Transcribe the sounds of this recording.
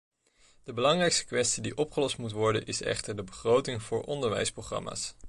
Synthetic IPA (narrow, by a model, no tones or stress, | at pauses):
d̥əbəlɑŋrɛjkstə̥kʋɛstidiʔɔpχəlɔstmutʋɔɹdə̰nʔɪsɛ̰χtəɹdəbəχrowtɪŋvʊːɹʔɔndəɹʋɛ̰jsproχrɑ̰ma̰ːs